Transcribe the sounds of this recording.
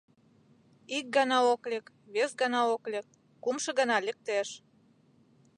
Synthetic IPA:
ik̚ɡənɑoklʲek | βesɡənɑoklʲĕk̚ː | umʃɤ̆ɣə̆nɑlʲək̚t̪eʃ

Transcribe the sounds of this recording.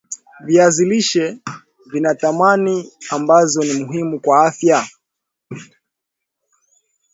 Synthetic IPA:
viaziliʃɛ | vinatamaniambazɔnimuɦimukwaafja

